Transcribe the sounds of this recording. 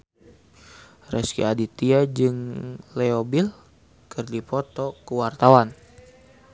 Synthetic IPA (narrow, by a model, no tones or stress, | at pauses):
rɛskḭadit̪iad͡ʒɨŋlɛobil | kɨrdipɔt̪ɔkəwart̪awan